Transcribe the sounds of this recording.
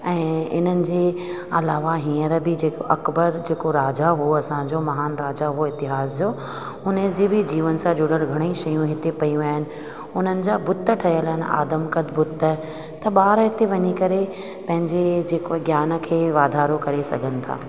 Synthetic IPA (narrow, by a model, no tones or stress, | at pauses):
ɛ̃ːɪn̤ənɪ̆d͡ʑeː | ɐlaːʋaɦĩːəɾbɪd͡ʑeːkoʔɐkbəɾd͡ʑeːkoɾaːd͡ʑaɦuoɐsãd͡ʑomɐɦaːnɾaːd͡ʑaɦoɪt̪ɪɦaːsd͡ʑoː | ʊnəd͡ʑebɪd͡ʑiːʋənsãd͡ʑʊɽəɾɡʱɐɽ̃eiʃɐjũɦɪt̪epɐjũaːɦɪnɪ̆ | ʊn̤ənɪ̆d͡ʑaːbʊt̪ːəʈʰɐjəlɦɪnɪ̆a̰ːd̪əmkɐd̪ʱbʊt̪ːə | t̪ɐɓaːɾɦɪt̪eʋɐɲikɐɾe | pɐ̃ɦɪ̃ɲd͡ʑed͡ʑeːkoɡjaːnə̆kʰeːʋaːd̪ʱaːɾokɐɾesɐ̰ɡʱənɪ̆t̪ʰa̰ː